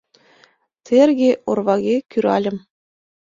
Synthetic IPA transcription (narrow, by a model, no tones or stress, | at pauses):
t̪ʰerɣʲeʔorβɑɣʲekyɾɑ̰lʲɘ̆m